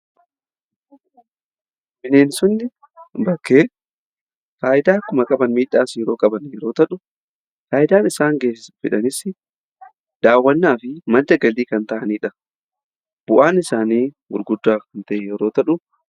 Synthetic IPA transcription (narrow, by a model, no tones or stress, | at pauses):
mɪneːnsʊnːɪ | bɐkːeː | faːʔɪd̪aːkːʊmɐkʼɐbɐnmiːᶑːaːsiːɛɾo̞ːkʼɐbɐnjɛɾo̞ːt̪ɐᶑʊ | faːʔɪd̪aːnɪsaːŋɡe̞ːsɪsfɪᶑɐnɪsɪ | d̪aːwːɐnːaːfɪmɐnd̪ɐɡɐliːkɐnt̪ɐʔɐniːᶑɐ | b̥ʊʔaːnɪsaːniːwʊɾɡʊd̪ːaːkɐnt̪ɐʔeːjɛɾo̞ːt̪ɐᶑʊ